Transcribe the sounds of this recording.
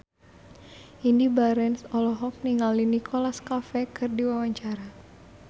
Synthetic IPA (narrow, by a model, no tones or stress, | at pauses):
ʔindibaɾɛnsɔlɔɦɔk̚niŋalinikʰɔlaskafɛkɨrdiwawaɲt͡ʃaɾa